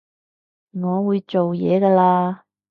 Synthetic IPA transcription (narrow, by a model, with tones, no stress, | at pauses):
ŋɔː˨˧wuː˨˧jt͡ʃo˨wjɛː˨˧ɡɐː˧laː˧